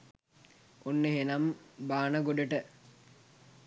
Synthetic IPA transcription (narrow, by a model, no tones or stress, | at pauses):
onːeɦenambaːnəɡoɖəʈə